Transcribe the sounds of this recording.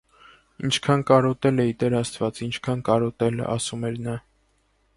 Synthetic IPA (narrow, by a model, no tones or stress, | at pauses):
int͡ʃʰkʰɑnkɑɾɔt̪ɛlɛit̪ɛɾɑst̪vɑt͡sint͡ʃʰkʰɑnkɑɾɔt̪ɛl̰ɑ̰sumɛɾnɑ